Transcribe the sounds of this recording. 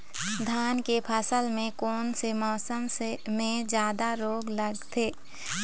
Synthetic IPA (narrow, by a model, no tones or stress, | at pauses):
d̪ʱaːnkepʰəsəlmẽkɔːnsemɔːsəmsmẽd͡ʒjaːd̪aɾoːɡləɡt̪ʰeː